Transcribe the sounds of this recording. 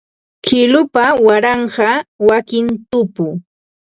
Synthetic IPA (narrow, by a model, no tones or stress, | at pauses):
kɪlʊpawaɾɑɴɢɑwakɪnt̪ʊpʊ